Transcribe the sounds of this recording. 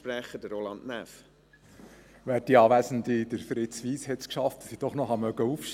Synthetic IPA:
pɾɛχəd̥əɾolɑnnæf | ʋæːɾdiɑːʋæsən̩did̥əɾfɾɪt͡sʋiːshɛtskʃɑftd̥ɑ̥sid̥ɔχnɔχhɑmœɡəufʃ

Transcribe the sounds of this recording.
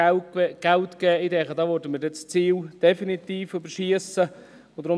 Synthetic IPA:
ɡ̥ɛltkɛːidɛχədɑːʋøɾdəməɾdɛt͡st͡siːld̥ɛfinit̪iːfybəɾʃiəsə | ʊd̥̪ɾʊ

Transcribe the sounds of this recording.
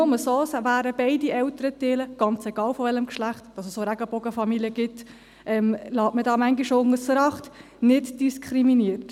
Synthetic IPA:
oməsoːsvæːɾəb̥ɛɪdiɛltəɾəteːləɡ̥ɑnt͡sɛɡ̥ɑːlfɔʋɛləmkʃlæχtdɑsəsːoɾæɡ̥əb̥ɔɡəfɑmilijəɡ̥ɪt | ʔɛmlɑːtmədɑːmæŋɡiʃoʊŋəsɾɑχt | nɪtd̥iskʰχɾiminiərt

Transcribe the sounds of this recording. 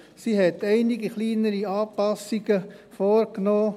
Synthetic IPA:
siɦɛtɛɪnɪɡiχliːnəɾiɑːpɑsːiɡəfoːɾknoː

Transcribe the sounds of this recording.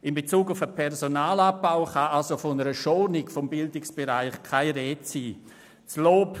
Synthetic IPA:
ɪmbet͡suːɡʊfəpʰɛɾsonaːlab̚b̥aʊχaʔalsofonəɾəʃɔnɪkfɔmbɪldɪksb̥eɾaɪχkʰaɪɾɛːtsiː | sloːp

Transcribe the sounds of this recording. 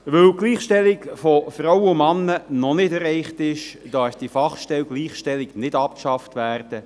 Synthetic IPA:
ʋɵwɡ̥liːχʃtɛlikfɔfrowəʊmɑnːənɔnɪdɛɾɛɪχtɪʃd̥ɑsd̥ifɑχʃtɛwɡliːχʃtɛliknɪdɑp̚kʃɑftʋæːrd̥ə

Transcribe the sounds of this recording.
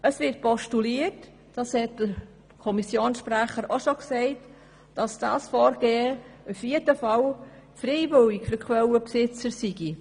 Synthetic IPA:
əsʋɪrt̚pɔʃtuliət | d̥ɑshɛt̚d̥əɾ | kʰɔmisjoːnsʃpɾæχəɾoʃoksɛɪt | d̥ɑsd̥ɑ̰ːsfɔːɾɡ̥eːəufjedəfɑlfɾɛɪʋʏlɪkfyɾkχwɛləpsɪt͡səɾsiɡ̥i

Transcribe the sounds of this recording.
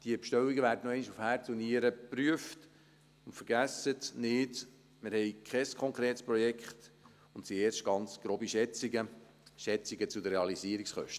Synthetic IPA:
d̥iəpʃtœwiɡəvæːɾdənɛɪniʃufhæːɾt͡suniəɾəpɾyəft | ʊntfəɾɡ̥æsətnɪd | mɪɾhɛɪkʰχɛskʰɔŋkɾeːtspɾɔjɛkχt | ʊntsieːɾʃt̚ɡ̥ɑnt͡sɡ̥ɾoːbiʃɛt͡siɡə | ʃɛt͡siɡət͡sudəɾeɑliziəɾiksχœ̰ʃtə

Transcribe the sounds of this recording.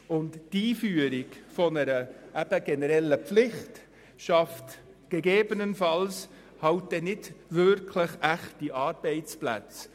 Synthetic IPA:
ʊnttiːfyːəɾɪɡfɔnəɾəʔæb̥əɡ̥ɛnəɾɛlːəpflɪχt | ʃɑft | ɡ̥eɡeːbənənfɑls | hɑʊt̚dɛnɪdvʏɾkʰlɪχæχtiʔɑːɾbɛɪt͡splæ̰t͡s

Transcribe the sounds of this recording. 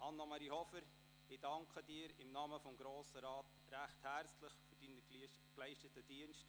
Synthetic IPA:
ʔɑnːɑmɑɾihɔfəɾ | ɪdɑŋkʰχədiːəɾɪmnɑməfɔmɡɾoːsəɾɑːt | ɾæχthært͡slɪχfyɾd̥inə | klɛɪʃtətəd̥iənst

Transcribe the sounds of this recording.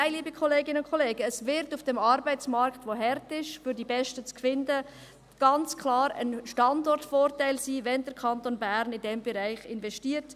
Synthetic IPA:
aɪliːbikʰoleːɡɪnəʊnkʰoleːɡəːsvɪɾtufd̥ɛmɑɾbaɪt͡smɑɾktvoɦɛɾtɪʃfʏɾdibɛʃtət͡skvɪndə | ɡ̥ɑnt͡skʰlɑːɾə̰nʃtɑndɔɾtfoːɾtaɪlsiːvɛndəɾkʰɑntonbæɾnɪndɛmbɛɾaɪχɪnvɛʃtiːəɾt

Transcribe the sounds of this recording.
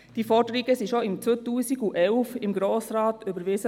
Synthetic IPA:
d̥ifɔɾdəɾiɡəsiʃoɪmt͡sotuːsiɡuʔɛlʊfɪmɡɾoːsɾɑːtøbəɾʋɪsə

